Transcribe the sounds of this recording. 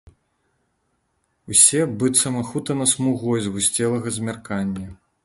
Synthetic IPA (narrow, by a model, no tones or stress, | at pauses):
usʲɛbɨt̪sɐmɐxut̪ɐnɐsmuɣɔjzʲɣusʲt͡sʲɛlˠɐɣɐzʲmʲarkanʲːɐ